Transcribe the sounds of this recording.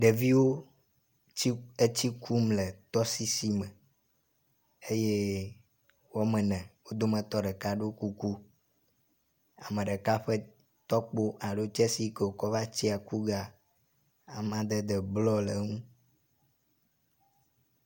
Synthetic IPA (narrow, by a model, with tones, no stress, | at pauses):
ɖe˨vi˦wo˦ | e˦t͡ɕi˦kʰu˦mlɛ˨t̪ɔ˦si˦si˦mɛ˨ | e˦je˦ | wo˦mɛ̃˨nɛ̃˨wo˦d̪o˦mə̃˨t̪ɔ˦ɖe˨ka˦ɖo˦ku˦ku˦ | a˨mẽ˨ɖe˨ka˦ɸe˦ | t̪ɔ˦k͡po˦ʔa˨ɖo˦t͡ʃɛ˦si˦ke˨wo˨kɔ˦va˦t͡ɕi˦a˨ku˦ɡa˨ | a˨mã˨˦d̪e˦d̪ə˨blɔ˦le˨˦ŋũ˦